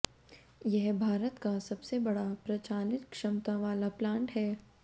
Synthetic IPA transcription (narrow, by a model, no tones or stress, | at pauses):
jɛɦbʱaːɾət̪kasɐbsebɐɽapɾɐt͡ʃaːnɪt̪kʃɐmt̪ãʋaːlaplãːɳʈɦɛː